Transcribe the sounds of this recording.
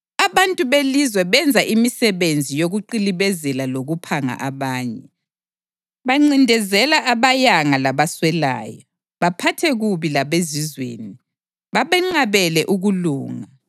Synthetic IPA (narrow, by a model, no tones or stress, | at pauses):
aβantʼuβelizwɛβɛnd͡zʱaʔimisɛβend͡zʱijoɣuǃiliβɛzɛlaloɣupʰaŋa̰ʔaβaːɲɛ | βaŋ͡ǀindʱɛzɛlaʔaβajaŋalaβaswɛla̰ːjɔ | βapʰatʰɛɣuβilaβezizwḛːni | βaβɛŋ͡ǃaβɛlɛʔuɣuluːŋa